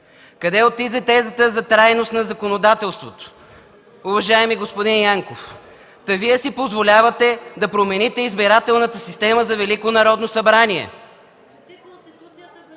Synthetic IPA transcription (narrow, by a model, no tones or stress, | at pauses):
kɐd̪ɛot̪ːizɛt̪ɛzət̪əzɐt̪ɾajnost̪nɐzɐkonod̪at̪ɛlˠst̪vot̪o̥ | uvɐʒaɛmiɡospod̪injaŋkof | t̪ɐviɛsipozvolʲavɐt̪ɛd̪ɐpɾomɛnit̪ɛizbiɾat̪ɛlˠnət̪əsist̪ɛməzɐvɛlikonɐɾɔd̪nosɐbɾaniɛ̰